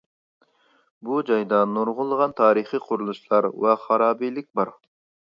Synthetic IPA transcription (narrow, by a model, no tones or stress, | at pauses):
bud͡ʒɑjd̪ɑnuɾʁʊlˠːəʁɑnt̪ʰɑːɾɨχiqʰʊɾulˠuʃlˠɑɾwɑχɑɾɑːbijlɪk̚ʲbɑɾ